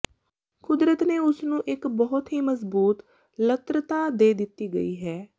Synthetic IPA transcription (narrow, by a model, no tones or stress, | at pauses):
kʊd̪ɾət̪neːʊsnũːʔɪkbɔːʊt̪ɦiːməzbuːt̪ | lət̪ɾət̪aːd̪eːd̪ɪt̪ːiːɡə̰iːɦɛː